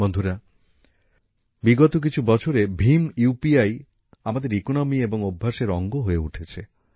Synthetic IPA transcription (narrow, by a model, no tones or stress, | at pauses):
ond̪ʱuɾa | biɡɔt̪ok̬it͡ɕʰubɔt͡ʃʰoɾebʱimupiaj | amad̪eɾikonɔmieboŋobʱːaʃeɾɔŋɡoɦoeṵʈʰet͡ɕʰe